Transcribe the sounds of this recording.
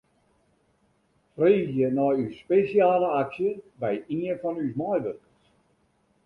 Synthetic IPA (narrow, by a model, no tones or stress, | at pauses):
freːɣjənɔjyspesjaːləaksjəbɛjinfɔnysmɔjʋøkəs